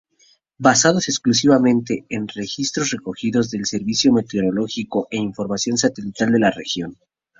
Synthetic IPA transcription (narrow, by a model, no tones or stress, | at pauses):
basað̞o̞se̞ksklus̬iβamẽ̞nt̪e̞enre̞xist̪ɾosre̞ko̞xiðo̞zðe̞lse̞ɾβisjome̞t̪eoɾo̞lo̞xiko̞ʔe̞iɱfo̞ɾmasjo̞ns̬at̪e̞lit̪ald̪e̞lare̞̰xjo̞n